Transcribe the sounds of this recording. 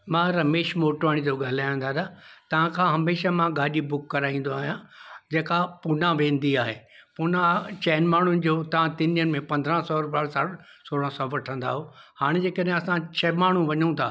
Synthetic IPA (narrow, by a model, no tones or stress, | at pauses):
mãːɾɐmeːʃmoːʈʋaːɽ̃id͡ʑoɡaːl̤aːjə̃nd̪aːɾaːt̪ɐʋ̤ãkʰãːɦɐmeːʃamãɡaːʄibʊkːɐɾaːĩːnd̪oaːɦijãd͡ʑeːkapun̤ãʋẽːnd̪iaːɦeːpunãt͡ɕɛːnmaːɳ̤ʊnɪ̆d͡ʑoːt̪ɐʋãt̪ɪniənɪ̆mẽpɐ̃nd̪ʱɾə̃sɔɾʊpaːɽsaɽ | soːɽ̃ə̃sɔːʋɐʈʰə̃nd̪a̰ːɦohaːɽ̃ed͡ʑeːkəɗɦẽɐsãt͡ɕʰɐmaːɳ̤ũʋɐɲũt̪ʰaː